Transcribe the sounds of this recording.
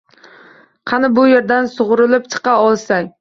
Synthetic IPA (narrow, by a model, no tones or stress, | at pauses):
qʰɑnɪbʊjeɾd̪ansʊʁʊɾɪlɪpt͡ʃʰɨ̥qɑɒlˠsaj